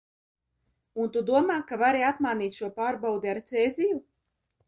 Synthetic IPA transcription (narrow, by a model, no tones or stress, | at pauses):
unt̪ud̪uɔmaːkavaɾiat̪maːniːt̪ʲʃuɔpaːɾbawd̪iaɾt̪sɛːziju